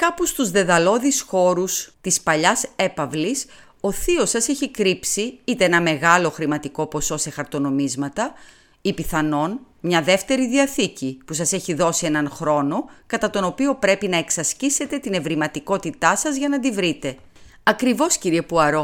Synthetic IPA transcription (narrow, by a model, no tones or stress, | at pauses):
kɐpust̪uzðe̞ðɐlo̞ðisxo̞ɾust̪ispɐʎɐse̞pɐvlis | oθio̞sɐseçikɾipsiit̪eenɐme̞ɣɐlo̞xɾimɐt̪iko̞po̞so̞se̞xɐɾt̪o̞no̞mizmɐt̪ɐ | ipiθɐno̞n | mɲɐðe̞ft̪e̞ɾiðiɐθicipusɐse̞çiðo̞sie̞nɐnxɾo̞no̞kɐt̪ɐt̪o̞no̞pio̞pɾe̞pinɐe̞ksɐscise̞t̪e̞t̪ine̞vɾimɐt̪iko̞t̪it̪ɐsɐzʝɐnɐd̪ivɾit̪e̞ | ɐkɾivo̞sciɾie̞puɐɾo̞